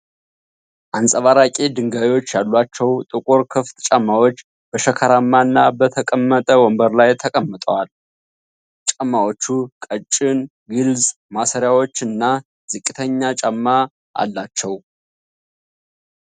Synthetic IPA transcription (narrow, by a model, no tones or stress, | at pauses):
ʔansʼəβaɾakʼed̪ɨŋɡawiwo̞t͡ʃːjalːwat͡ʃːɛwt̪ʼɨkʼoɾkʰɨft̪ʼt͡ʃʼamːawo̞t͡ʃː | bəʃəkʰəɾamːanːabət̪ʰəkʼəmːət̪ʼəwɔmbəɾlajt̪ʰəkʼəmːət̪ʼəwal | t͡ʃʼəmːawot͡ʃːukʼət͡ʃʼːɪn | ɡɨlz | masəɾjawo̞t͡ʃːɨnːa | z̥ɨkʼɨt̪ʰəɲːat͡ʃʼəmːa | ʔa̰lːat͡ʃːɛw